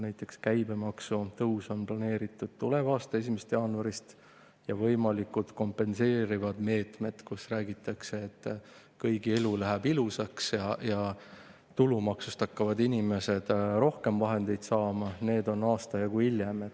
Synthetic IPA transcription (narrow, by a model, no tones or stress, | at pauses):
næjt̪ːˑe̞kskæjbe̞mɑksut̪ɤuso̞nplɑne̞ːɾit̪ːˑud̪̥̚t̪ule̞vɑːst̪ɑe̞s̬ime̞st̪jɑːnuɑɾist̪ | jɑvɤjmɑlikut̪ko̞mpˑe̞nse̞ːɾivɑd̪̥me̞ːt̪me̞d̪̥kusræːɡit̪ːˑɑkseːt̪ːˑ | kɤjɡielulæɦæbilusɑksjɑjɑ | t̪ulumɑksust̪ɑkːɑvɑd̪inʲime̞se̞d̪̥ro̞hke̞mvɑɦe̞nd̪̥e̞jd̪̥sɑːmɑne̞ːd̪o̞nɑːst̪ɑjɑɡ̥uiljemet̪ː